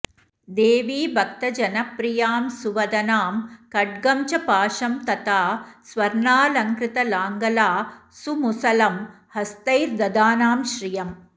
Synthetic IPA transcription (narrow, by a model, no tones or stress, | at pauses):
d̪eːʋiːbʱɐk̚t̪ɐd͡ʒɐnɐpɾijaːmsuʋɐd̪ɐnaːmkɐʈ̚ɡɐmt͡ʃɐpaːʂɐmt̪ɐt̪aːsʋɐɾnaːlɐŋkɾɪt̪ɐlaːŋɡɐlaːsumusɐlɐm | hɐst̪ɐjɾd̪ɐd̪aːnaːmʃɾijɐm